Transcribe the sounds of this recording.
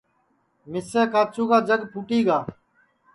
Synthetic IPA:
mɪseːkaːt͡ʃuːkaːd͡ʒəɡpʰuːʈiːɡaː

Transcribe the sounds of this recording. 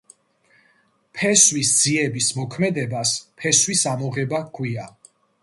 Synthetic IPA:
pʰɛswisd̪z̥iɛbismɔkʰmɛd̪ɛbaspʰɛswisamɔʁɛbakʰwia

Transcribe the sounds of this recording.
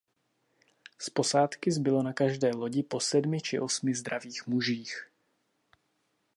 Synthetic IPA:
spo̞saːt̪kɪzbɪlo̞nakaʒdɛːlo̞ɟɪpo̞sɛdmɪt͡ʃɪʔo̞smɪzd̪ɾaviːxmuʒiːx

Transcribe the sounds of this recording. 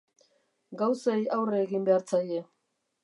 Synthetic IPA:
ɡawsajawreːɣimbe̞aɾt͡saje̞

